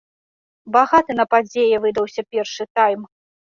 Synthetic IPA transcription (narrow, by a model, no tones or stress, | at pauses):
baɣat̪ɨnɐpad͡zʲejɛvɨd̪ɐwsʲɐpʲɛrʂɨt̪ajm